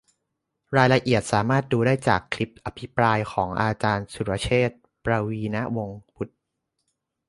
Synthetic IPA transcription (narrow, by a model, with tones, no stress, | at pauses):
ɾaː˧jla˧ʔi˨˩ət̪̚saː˩˦maː˥˩t̪̚duː˧daː˥˩jt͡ɕaː˨˩kʰːli˦˥p̚ʔa˧pʰi˦˥pɾaː˧jkʰɔː˩˦ŋʔaː˧t͡ɕaː˧nsu˨˩ɾa˧t͡ɕʰeː˥˩t̪̚ | pɾaː˧wiː˧na˦˥wo˧ŋpʰu˦˥t̪̚